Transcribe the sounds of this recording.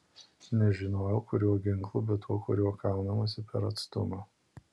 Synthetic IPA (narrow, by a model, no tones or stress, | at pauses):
nʲɛʒʲɪnoːjɛʊkʊɾʲuːɔɡʲɪŋˑklˠʊbʲɛt̪uɔkʊɾʲuɔkɑˑʊnɐmɐːsʲɪpʲɛɾɐt̪st̪ʊmo